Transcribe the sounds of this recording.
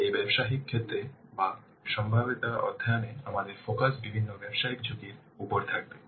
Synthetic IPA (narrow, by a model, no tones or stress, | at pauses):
ejbɛbʃaɦikʰːet̪ːɾeba | ʃɔmbʱabit̪aɔ̰d̪ʱːajaneamad̪eɾfokasbibʱinːobɛbʃaɦikd͡ʑʱot̪iɾ | upoɾt̪ʰak̚be